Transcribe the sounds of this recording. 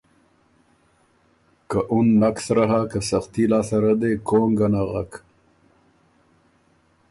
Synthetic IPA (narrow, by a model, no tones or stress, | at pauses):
kaʔunːaksɾaɦakasɐxt̪ilaːsɐɾad̪ekoːŋɡanaɣak